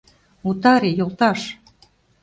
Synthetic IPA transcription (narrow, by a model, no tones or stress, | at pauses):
ut̪ɑɾejolˠt̪ɑʃ